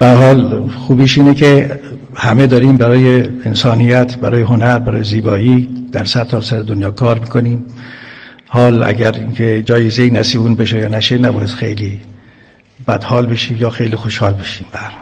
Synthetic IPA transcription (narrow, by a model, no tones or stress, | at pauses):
b̥ææɾhɒːlxuːbiːʃiːneke | hæmed̪ɒːɾiːmbæɾɒːjeensɒːnijæt̪ʰbæɾɒːjeɦo̞næɾbæɾɒ̰ːjeziːbɒːiːd̪̥æɾsæd̪̚t̪ːʰɒːsæɾed̪onjɒːkʰɒːɾmiːkʰo̞niːm | hɒːlæ̰ɡæɾiːŋkʰed͡ʒɒːjezeinæsiːbuːnbeʃejɒːnæʃenæbɒːjesxḛjliː | b̥æd̪hɒːlbeʃiːmjɒːxejliːxo̞ʃhɒːlbeʃiːmbæhæɾhɒl